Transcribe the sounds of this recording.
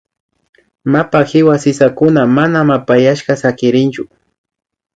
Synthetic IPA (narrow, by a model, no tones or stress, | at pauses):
mapaxɪwasɪsakʊnamanamapajaʃkasakɪɾɪnt͡ʃʊ